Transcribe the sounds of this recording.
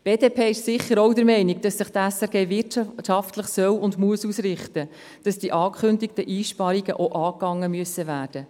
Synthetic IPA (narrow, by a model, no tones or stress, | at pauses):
b̥eːdeːpʰeːɪʃsɪχːəɾɔwdəɾmɛɪniɡ̚d̥ɑsːəχtæsɛɾɡeːvɪʃɑftləχsœwʊndmuəsuːsrɪχtə | d̥ɑsd̥iʔɑːkʰχʏndik̚təʔiːʃpɑɾiɡəʔoʔɑːkːɑŋːəmyəsːəvæːɾd̥ə